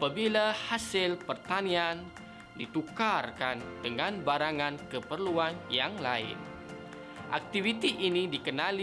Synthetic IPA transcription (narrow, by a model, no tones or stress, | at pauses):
apabilahasɪlpərt̪anian | dit̪ukarkandəŋanbaɾaŋankəpərluanjaŋlaɪ̰n | ʔa̰k̚t̪ivit̪iʔinidikənal